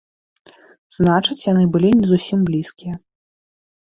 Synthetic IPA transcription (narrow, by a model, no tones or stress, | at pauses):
znat͡ʂɨt͡sʲjanɨbɨlʲinʲɛzusʲimblʲiskʲijɐ